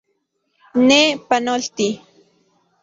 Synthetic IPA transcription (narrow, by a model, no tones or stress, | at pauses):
nepanolt̪i